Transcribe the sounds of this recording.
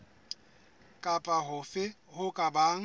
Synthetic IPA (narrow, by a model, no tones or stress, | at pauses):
kʼapʼaɦʊfɪ | hʊkʼabaːŋ